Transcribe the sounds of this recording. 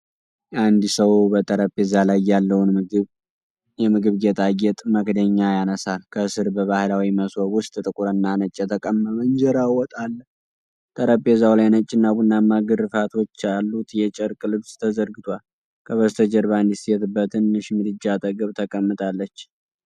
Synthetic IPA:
and̪səwbət̪ʼəɾəpʼːezalajːalːəwnɡ | jɛmɨɡɨβɡet̪ʼaɡɛt̪ʼməkd̪əɲːajanəsalkʰəsɨɾbəβahɨlawiməswɔɡwʊst̪ʼɨt̪ʼɨkʼuɾɨnːanət͡ʃʼːɛt̪ʰəkʼəməmənd͡ʒəɾawɔt̪ʼalːəh | t̪ʼəɾəpʼːezawlajnət͡ʃʼːɪnːabunːamːaɡɨɾɨfat̪ʰo̞t͡ʃːalːut̪jɛt͡ʃʼɛɾkʼɨlɨβst̪ʰəzəɾɡɨt̪ʰwal | kʰəβəst̪ʰəd͡ʒəɾβand̪isɛt̪ɨbːət̪ʰɨnːɨʃmɨd̪ɨd͡ʒːat̪ʼəɡəβt̪ʰəkʼəmːɨt̪ʼalːət͡ʃː

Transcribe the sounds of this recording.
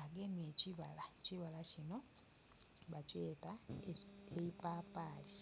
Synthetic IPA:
aɡemjeciβalaciβalacino̞ | βat͡ʃe̞ːta | eipaːpaːli

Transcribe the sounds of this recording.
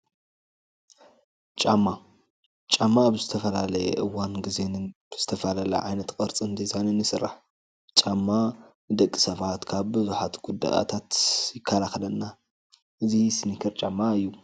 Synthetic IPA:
t͡ʃʼamːa | t͡ʃʼamːaːβzɨt̪ʰɐfɐlalɐjɛ̰ʔɨwanɡɨzenɨnb̥ɨz̥ɨt̪ʰɐfɐlalɐ̰ʕajnɐt̪kʼɐɾt͡sʼɨnd̪ʰizʰanɨnːɨsɨrːa̰ħ | t͡ʃʼamːa | ɨd̪ɐkʼːisɐβat̪kʰaβbɨzuħat̪ɡ̥ud̪ːa̰ʔa̰t̪ʰat̪jɪkʰːalaxɐlɐnːa | ʔɨzisɨnɨkʰɨɾt͡ʃʼamːaɨjːu

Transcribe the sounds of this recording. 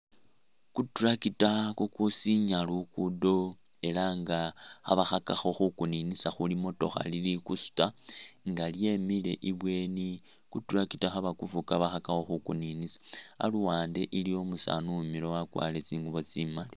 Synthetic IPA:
kuturakitakukusiɲalukudo̞ | e̞laŋɡaxa̰βaxakaxo̞xukuninisaxulimo̞to̞̰xa̰lilikusu̥taŋɡalje̞mile̞̰ʔiβwe̞ni | kuturakitaxaβakuvukaβaxakaxo̞xukuninisḁa̰luwaːnde̞ʔilio̞musa̰numilo̞wakwa̰le̞t͡siːŋɡuβo̞t͡simali

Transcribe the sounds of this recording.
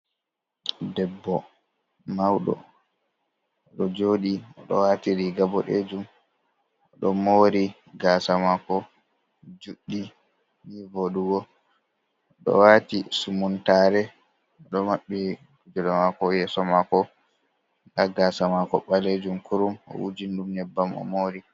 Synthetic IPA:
dɛbːɔ | mawɗɔ̰ | ɗɔd͡ʒoːɗiɔɗɔ̰waːtiɾiɡabɔɗed͡ʒum | ɔɗɔmoɾi | ɡasamakɔ | d͡ʒuɗːi | nivoɗuɡɔː | ɗɔ̰waːtisumuntaːɾɛ | ɔɗɔmaɓːi | kud͡ʒɔɗɔmakɔjɛsɔmakɔ | ɡaɡaːsamakɔɓaled͡ʒumkuɾumɔ̰ʔud͡ʒinɗumnɛbːamɔ̰moːɾi

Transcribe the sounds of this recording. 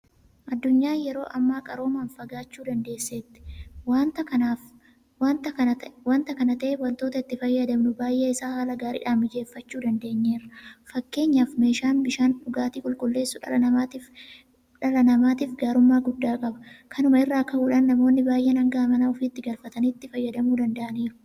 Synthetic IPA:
ʔɐd̪ːʊɲːaːjɛɾo̞̰ːʔɐmːaːkʼɐɾo̞ːmɐːnfɐɡaːt͡ʃːuːd̪ɐnd̪e̞ːsːe̞ːt̪ːɪ̥t̪ɐa | waːnt̪ɐwaːnt̪ɐkɐnɐt̪ɐʔeːwɐlt̪oːt̪ɐɪt̪ːɪfɐjːɐd̪ɐmnʊbaːjʔeːɪsaːhaːlɐɡaːɾḭːᶑaːmɪd͡ʒe̞ːfːɐt͡ʃːuːd̪ɐnd̪e̞ːɲːe̞ːrɐfɐkːe̞ːɲːaːfme̞ːʃaːnbɪʃaːnᶑʊɡaːt̪iːkʼʊlkʼʊlːe̞ːsːʊᶑɐ̰ɐɐa | ᶑɐlɐnɐmaːt̪iːfɡaːɾʊmːaːɡʊd̪ːaːkʼɐbɐ̥kʰɐnʊmɐɪrːaːkːɐhuːᶑaːnːɐmoːnːɪbaːjʔenɐŋɡaːmɐnaɔfiːt̪ːɪɡɐlfɐt̪ɐniːt̪ːɪfɐjːɐd̪ɐmuːd̪ɐnd̪ɐʔɐniːɾʊ

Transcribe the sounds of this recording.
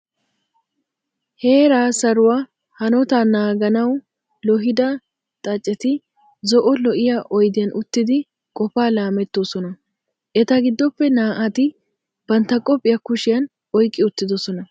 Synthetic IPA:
he̞ːɾaːsɐɾʊwaː | hɐnɔt̪aːnaːɡɐnɐw | lɔɦɪd̪ɐ | t̪ʼɐt͡ʃʼːɛt̪ɪ | zɔʔɔlɔʔɪjaʔɔjd̪ɪjɐnʔʊt̪ːɪd̪ɪ | kʼɔfaːlaːmɛt̪ːosɔnɐ | ʔɛt̪ɐɡɪd̪ːɔpːɛnaːʔɐt̪ɪ | b̥ɐnt̪ːɐkʼɔpʼːɪjɐkʊʃɪjɐn | ʔɔjkʼːɪʊt̪ːɪd̪ɔsɔnɐ

